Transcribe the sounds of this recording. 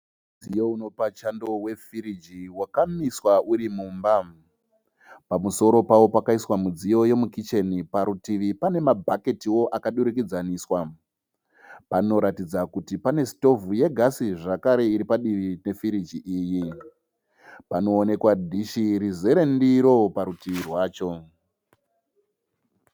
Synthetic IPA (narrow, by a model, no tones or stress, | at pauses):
ud͡zijouno̞pat͡ʃando̞we̞fiɾid͡ʒiwakamiswaʔuɾimuːmba | pamuso̞ɾo̞pawo̞pakaiswamud͡zijo̞je̞mukit͡ʃe̞nipaɾutiʋipane̞mabʱake̞tiwo̞ʔakaɗuɾuk̬id͡zaniːswa | pano̞ɾatid͡zakutipane̞sto̞vuje̞ɡʱasiʐakaɾe̞iɾipaɗiʋine̞fiɾid͡ʒiʔiːji | pano̞ːne̞kwadʱiʃiɾize̞ɾe̞ndiɾo̞paɾutiʋirwaːt͡ʃo̞